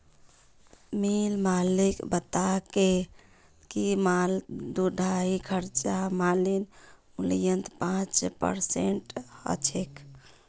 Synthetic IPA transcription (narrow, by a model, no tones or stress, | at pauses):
milmalikbət̪ake | kimald̪uɖʱaikʰəɾt͡ʃamalin | ulijənt̪pãt͡ʃpə̰ɾsḛɳʈə̰t͡ʃʰek